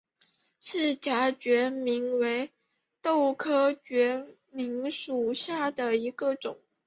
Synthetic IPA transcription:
ʂɻ̩˥˩t͡ɕja˧˥t͡ɕɥɛ˧˥mi˧˥ŋwe˧˥ɪ | t̪o˥˩ʊkʰɤ˥t͡ɕɥɛ˧˥ | mi˧˥ŋʂu˨˩ɕja˥˩d̪ə˩i˧˥ɡə˧ʈ͡ʂʊ˨˩˦ŋ

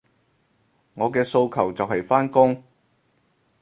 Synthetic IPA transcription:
ŋɔː˨˧kɛː˧so˧wkʰɐ˨˩wt͡sɐ˨whɐ˨jfaː˥nkʊ˥ŋ

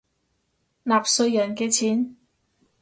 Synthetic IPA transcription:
laː˨˩p̚sɵ˧ɥjːɐ˨˩nkɛː˧t͡sʰiː˨˥n

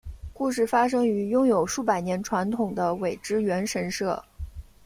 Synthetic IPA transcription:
ku˥˧ʂɻ̩˥˩fa˥ʂ̬ɤ˥ŋy˧˥jʊ˥ŋjo˨˩ʊʂu˥˩pa˨˩ɪnjɛ˧˥nʈ͡ʂʰwa˧˥nt̪ʰʊ˨˩ŋd̪ə˦we˨˩ɪʈ͡ʂɻ̩˥ɥɛ˧˥nʂə˧˥nʂɤ˥˩

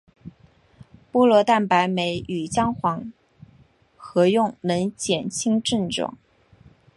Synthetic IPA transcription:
pu˥˧lwɔ˧˥˧t̪a˥˩npa˧˥ɪme˧˥ɪy˨˩t͡ɕjɑ˥ŋxwɑ˧˥ŋ | xɤ˧˥jʊ˥˩ŋnə˧˥nt͡ɕjɛ˨˩nt͡ɕʰi˥ŋʈ͡ʂə˥˧nʈ͡ʂʊ̰˨˩˦ŋ

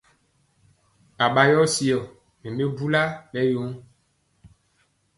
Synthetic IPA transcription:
a˨ɓa˨jɔ˦si˨ɔ˨ | mẽ˨me˦bu˦la˦ɓɛ˦jo˨˦m

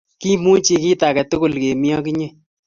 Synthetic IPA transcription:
ki˦mu˦t͡ʃi˧ki˦ta˨kɛ˨tʊ˦kʊ˨lke˨mi˦ɔ˦ki˦ɲe˦

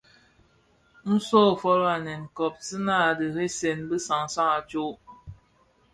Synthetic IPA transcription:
n̩˦sɔː˦˨fɔ˦la˨nɛ˨nkɔ˨p̚sɨ˦na˦˨dɨ˨ɾe˦se˨nbɨ˦sa˨ŋsa˦ŋa˨t͡ʃo˦

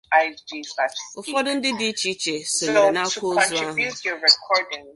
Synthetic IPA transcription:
aɪd͡ʒi˦faʊ˨fɔ˦dʊ˦n̩˦dɪ˦di˦t͡ʃi˦t͡ʃe˨so˨o˨na˦kʷo˦ɔ̃nzu˦a˦ɦi˦zjɔ˨ɹɛ˨kʰɔdɪ̃ŋ

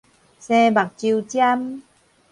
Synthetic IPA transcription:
sɛ˧ba˨˩k̚t͡ɕi˧wt͡ɕja˧m

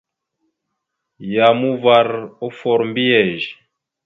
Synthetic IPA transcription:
ja˨mu˦va˨ɾo˦fɔ˨ɾm˦bi˦ɛ˨ʒ

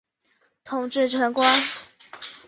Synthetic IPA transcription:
t̪ʰʊ˨˩ŋʈ͡ʂɻ̩˥˩ʈ͡ʂʰwə˧˥ŋkwa˥n

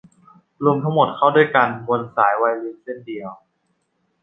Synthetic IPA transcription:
ɾu˧mt̪ʰa˥ŋmo˨˩t̪̚kʰa˥˩wdu˥˩jka˧nwo˧nsaː˩˦jwa˧jli˧˥nse˥˩ndi˧əw

